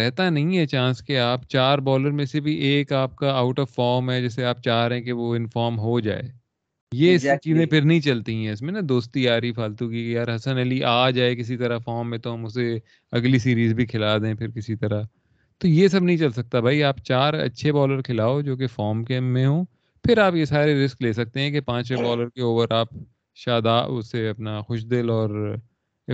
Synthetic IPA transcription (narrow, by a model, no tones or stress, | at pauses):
ɾɛɦt̪anɐɦĩɦɛt͡ʃãːskeaːpt͡ʃaːɾbɔːləɾmẽsebʱiʔeːkaːp̚kaaːʊʈɔːʋfɔːɾmɦɛd͡ʒɛːseaːp̚t͡ʃaːɾɦẽk̬eʋoɪnfɔːɾmɦod͡ʒa̰ːḛː | jeɪst͡ʃiːzẽpʰɪɾnɐɦĩt͡ʃɐlt̪iɦɛ̃ɪsmẽnad̪oːst̪ijaːɾipʰaːlt̪uɦɡikejaːɾɦɐsənɐliʔaːd͡ʒaːekɪs̬it̪ɐɾafɔːɾmːẽt̪oɦɐmʊse | ɐɡlisiːɾiːzbʱikʰɪlaːd̪eẽpʰɪɾkɪsit̪ɐɾa | t̪ojesɐbnɐɦĩt͡ʃɐlsɐk̚t̪abʱaːiaːpt͡ʃaːɾɐ̰tːʃʰebɔːləɾkʰɪlaːod͡ʒoːk̬efɔːɾmkemẽɦõː | pʰɪɾaːpjesaːɾeɾɪskleːsɐk̚t̪eɦɛ̃kepãːt͡ʃbɔːləɾkeoːpəɾaːp | ʃaːd̪aːʊ̰seɐpnaxʊʃd̪ɪlɔːɾ